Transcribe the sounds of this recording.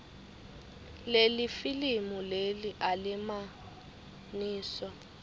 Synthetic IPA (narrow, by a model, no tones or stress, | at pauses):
lelifilimuleliʔalɪma | niːsɔ